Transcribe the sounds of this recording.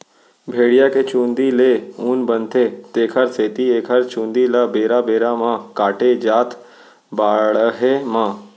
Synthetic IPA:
bʱeːɽijaket͡ʃũːnd̪ileuːnbənt̪ʰet̪eːkʰəɾseːt̪ieːkʰəɾt͡ʃũːnd̪ilabeːɾabeːɾamãkaːʈed͡ʒaːt̪ʰ | baːɽɦemãː

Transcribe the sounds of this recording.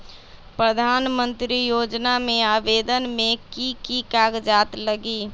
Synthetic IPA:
pɾəd̪ʱaːnmə̃nt̪ɾijoːd͡ʒnamẽaːʋeːd̪ənmẽkikikaːɡd͡ʒaːt̪ləɡi

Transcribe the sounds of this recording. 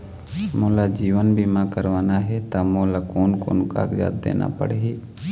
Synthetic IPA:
moːlad͡ʒiːʋənbimãkəɾʋaːnaɦɛt̪amoːlakoːnko̰ːnka̰ɡja̰ːd̪d̪ḛːna̰pə̰ɽeɦeː

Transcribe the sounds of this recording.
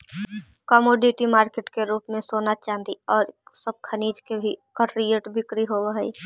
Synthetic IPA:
kəmoːɖɪʈimaːɾkeːʈkeɾuːpmẽsoːnat͡ʃãːnd̪iɔːɾsəb̚kʰəniːd͡ʒkebʱikəɾɾijeʈbɪkɾiɦoːwɦəi

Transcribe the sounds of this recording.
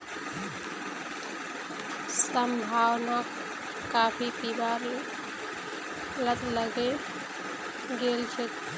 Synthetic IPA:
səmbʱaːwnək | kːaːpʰipibaɾ | lət̪ləɡe | ɡelt͡ʃʰet̪

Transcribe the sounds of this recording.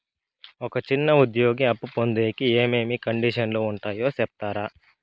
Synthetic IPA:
ɔkɐt͡ʃinːɐud̪joːɡiɐpːupond̪eːkieːme̞ːmikɐɳɖiʂɐnloːuɳʈaːjoːsɛp̚t̪aːɾaː

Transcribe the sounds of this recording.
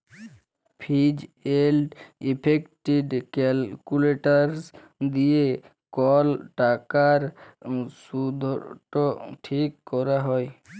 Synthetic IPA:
pʰid͡ʒelɖipʰekʈiɖkɛlkuleʈaɾs | d̪ije | kɔlʈakaɾ | sud̪ʱɔʈɔʈʰikːɔɾaɦɔj

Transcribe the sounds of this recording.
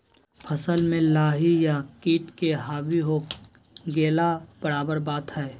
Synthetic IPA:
pʰəsəlmẽlaːɦijakiːʈkeɦaːbiɦoː | ɡeːlab̥əɽaːbəɾbaːt̪ɦɛː

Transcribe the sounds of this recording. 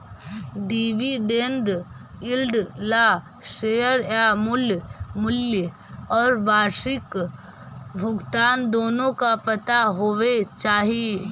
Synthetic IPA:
ɖiːʋiɖẽːnɖ | ɪlɖla | ʃeːjəɾamʊljmʊljə | ɔːɾbaːɾʃɪk | bʱʊɡt̪aːnd̪oːnõkapɐt̪aɦoːʋet͡ʃaːɦie

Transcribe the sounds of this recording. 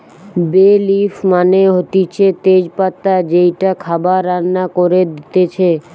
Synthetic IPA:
belifʰmaneɦot̪it͡ɕʰet̪ed͡ʑpat̪ːad͡ʑejʈakʰabaɾːanːakoɾed̪it̪et͡ɕʰe

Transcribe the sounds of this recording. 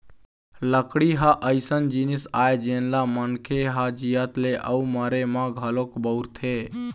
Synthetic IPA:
ləkɽiɦaʔəɪsənd͡ʒinisajd͡ʒenlamənkʰeɦad͡ʒijət̪leʔə̰uməɾemãɡʱəlokbəwɾt̪ʰe

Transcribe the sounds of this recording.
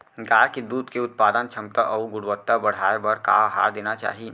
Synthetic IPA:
ɡaːked̪uːd̪keʊt̪̚paːd̪ənt͡ʃʰɐmt̪aʔɔuɡʊɽʋət̪ːabɐɽ̤aebɐɾka̰ɦa̰ːɾd̪eːnat͡ʃa̰ːɦi

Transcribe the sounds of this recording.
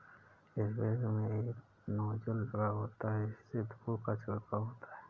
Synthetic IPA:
ɪsbeːɾmẽeːk | nɔːd͡ʒəldɾaɦoːt̪aɦɛɪssed̪pukat͡ʃəɽkaɦoːt̪aɦɛː

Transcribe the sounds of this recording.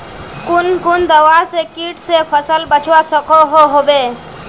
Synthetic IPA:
kʊnkʊnd̪əʋasekiːʈsepʰəsəlbət͡ʃʰwasəkoɦoɦoːbeː

